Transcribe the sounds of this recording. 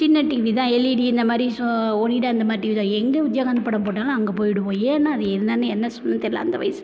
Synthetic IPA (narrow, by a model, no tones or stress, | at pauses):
t͡ʃɪnːɐʈiːʋit̪ãːɛlːiɽiɪnd̪ɐmaːd̪ɾisɔoniɽaɐɪnd̪ɐmaːd̪ɾiːʋiðãɛŋɡɐʊd͡ʒjɐɣanɐpːɐɽɐ̃mpoːʈːãːŋɡɐːŋɡɐpoːjɪɽɯʋõːjeːɐnːaːɐðɯɛðɯnaːnɯɛnːɐsɔnːɐnt̪ɛɾɪlã̰ːɐnd̪ɐʋɐ̰jɐsɯ